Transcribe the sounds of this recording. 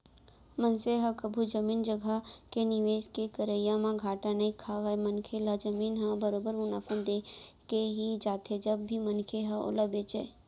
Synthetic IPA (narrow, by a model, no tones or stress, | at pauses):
mənseɦəkəbʱud͡ʒəmind͡ʒəɡʱakeniʋeskekəɾəjãmãɡʱaʈanəĩkʰaʋajmənkʰelad͡ʒəminɦəbəɾobəɾʊnafənd̪ekeɦid͡ʒat̪ʰed͡ʒəbːimənkʰeɦəʔo̰ləbjet͡ʃʰḛ